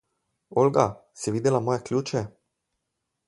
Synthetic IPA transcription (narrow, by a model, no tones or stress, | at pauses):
olɡasɛʋiːd̪ɛlamɔːjɛklʲuːt͡ʃɛ